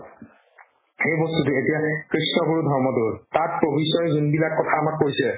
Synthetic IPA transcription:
xejbɔstutuetijakɹisnɔɡuɹudʱɔɹmɔdʊɹtat̚pobisɔjzunbilakːɔtʰaːmakːojsɛ

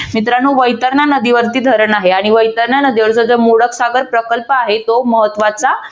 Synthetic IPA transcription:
mit̪ɾanuːʋəjt̪əɾnanəd̪iʋəɾt̪iːd̪ʱəɾəɳaɦeaɽ̃iʋəjt̪əɾnanəd̪iʋəɾt͡səd͡zəmoɽəksaɡəɾpɾəkəlpəaɦet̪oməɦət̪ʋat͡sa

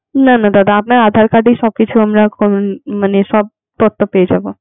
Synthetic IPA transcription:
nanad̪ad̪aːpnaaːd̪ʱaːɾkaɖisɔb̚kit͡ʃʰuɦəmɾakomanesɔb̚ | t̪ot̪ːəped͡ʒabo

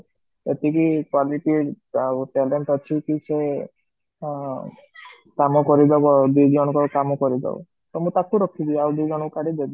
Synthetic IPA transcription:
et̪ikikwaliʈi | awʈɛleɳʈɔt͡ʃʰikise | kamɔkɔɾid̪aad̪ujd͡ʒɔɽ̃ɔkɔkamɔkɔɾid̪a̰w̰ | t̪ɔmũt̪akuɾɔkʰib̪iawd̪ujd͡ʒɔɽ̃ɔkukaɽid̪ebi

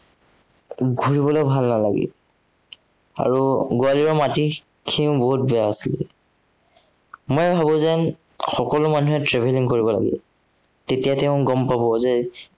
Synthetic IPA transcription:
ɡʱuɹibɔlojbʱalnalaɡɛ̰ | a̰ɹuɡʊaliɹɔmati | kʰiʊ̃boɦut̚bɛjaasilɛ | mojbʱabɔ̃zɛn | xɔkɔlʊmanuɦɛtɹebʱeliŋkoɹibɔla̰ɡɛ̰ | tetijatɛʊ̃ɡɔmpabɔzɛ

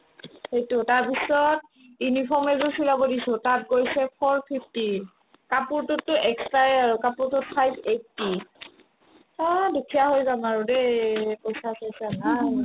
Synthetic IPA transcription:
xejtʊtaɹpisɔt̚ | junipʰɔɹmɛzusilabɔdisʊ̃tat̚ɡojsɛpʰɔɹpʰipʰti | kapuɹtʊtːʊʔɛkstajaɹʊkapuɹtʊt̚pʰajbetːi | adukʰijaɦojzamaɹudepojsasojsanaj

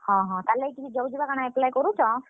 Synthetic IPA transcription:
hɔ̃ɦɔ̃t̪alɛjkit͡ʃʰid͡ʒɔwd͡ʒibakaɽ̃ãɛplajkɔɾut͡ʃʰɔ̃

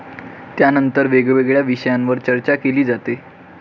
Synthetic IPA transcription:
t̪janənt̪əɾʋeɡʋeɡɭjaʋiɕəjãnʋəɾt͡ɕəɾt͡ɕakeliːd͡zat̪e

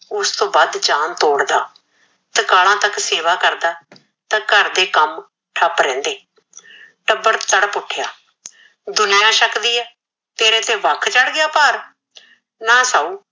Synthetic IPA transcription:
ʊst̪õːbaːd̪d͡ʒaːnt̪oːɽd̪aː | t̪əkaːlãːt̪əkseːʋaːkəɾd̪aː | t̪ãːkəɾd̪eːkəm | ʈʰəpɾɛ̃ːnd̪eː | ʈəbːəɾt͡ʃ̪əɽpʊʈʰɪjaː | d̪ʊnijãːʃəkd̪iːɛː | t̪eːɾeːt̪ẽːʋəkʰt͡ʃəɽɡɪjaːpaːɾ | naːsaːuː

